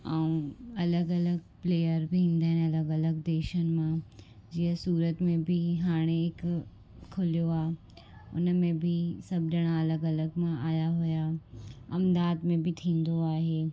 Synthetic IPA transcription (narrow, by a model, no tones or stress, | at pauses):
aːũɐləɡɐləɡpleːjəɾbʱiĩːn̆d̪aːɦɪnɐləɡɐləɡd̪eːʃənɪ̆mã | d͡ʑiəsuːɾət̪mẽbʱiɦaːɽ̃eɪkʰː | ʊlijoaː | ʊ̰nmẽbʱisɐbʱd͡ʒəɽ̃aɐləɡɐləɡmãʔaːjaɦʊjaɐmd̪aːd̪mẽbʱit̪ʰĩːn̆d̪oaːɦeː